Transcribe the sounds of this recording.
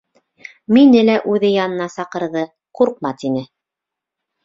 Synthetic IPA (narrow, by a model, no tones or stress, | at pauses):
minɘlæʔʉðɘjɑnɤ̆nɑsɑqɤ̆ɾðɤ | quɾq̚mɑt̪inɘ